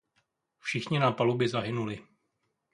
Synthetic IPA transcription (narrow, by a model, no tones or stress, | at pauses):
fʃɪxɲɪnapalubɪzaɦɪnulɪ